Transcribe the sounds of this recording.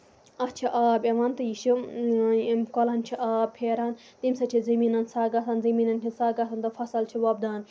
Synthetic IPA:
ɐt͡ʃʰiʔaːbeʋɐnt̪ɨjiʃu | kolant͡ʃʰiʔaːbpʰeːɾan | t̪imsɐt͡ʃʰizɐmiːnɐnsaːɡasɐnzɐmiːnɐnt͡ʃʰinsaːɡasɐnt̪ɐfʰɐsɐlt͡ʃʰiʋɐb̚d̪aːn

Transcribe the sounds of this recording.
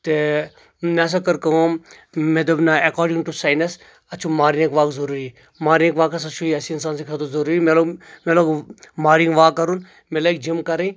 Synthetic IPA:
t̪e | mas̬ɐkɐɾkɐm | med̪ɐbnaɐkaːɾɖĩŋʈusaːjnɐs | ɐt͡ʃʰumaːɾinekʋaːkzɐɾuːɾi | maːɾinekʋaːkɐs̬ɐt͡ʃʰuiɐsiinsaːns̬ekʰɐd̪ozɐɾuɾimelomeloːɡmaːɾiŋɡʋaːkɐɾun | melaːjk̚d͡ʒimkɐɾẽ

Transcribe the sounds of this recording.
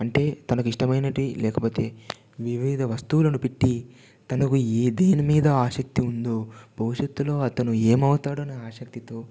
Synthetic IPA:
ɐɳʈe̞ːt̪ɐnɐkuiʂʈɐmɐjnɐʈilɛːkɐpo̞ːt̪e̞ː | ʋiʋiːd̪ʱɐʋɐst̪uʋlɐnupiʈːi | t̪ɐnɐkueːd̪e̞ːnimiːd̪ɐaːʃɐk̚t̪iund̪o̞ːbʱɐwuʂɐt̪ːulo̞ːɐt̪ɐnue̞ːmɐwut̪aːɽuɐnɐaːʃɐk̚t̪it̪o̞ː

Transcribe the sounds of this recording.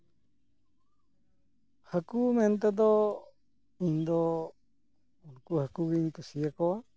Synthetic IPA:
hakumɛnt̪ɛd̪ɔ | iɲd̪ɔ | unkuhakuɡiɲt̪usijakɔwa

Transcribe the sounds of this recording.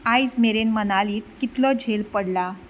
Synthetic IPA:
ajd͡zmeɾenmənaliːt̪kit̪lɔd͡ʑʱelpəɽla

